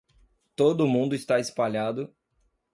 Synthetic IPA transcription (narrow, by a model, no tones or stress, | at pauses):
t̪od̪ʊmũnd̪ʊɪst̪aɪspaʎad̪ʊ